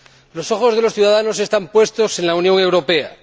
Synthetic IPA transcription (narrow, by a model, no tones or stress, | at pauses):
lo̞so̞xo̞zð̞e̞losθjuðaðano̞se̞st̪ampwe̞st̪o̞se̞nlaunjo̞ŋe̞wɾo̞pe̞a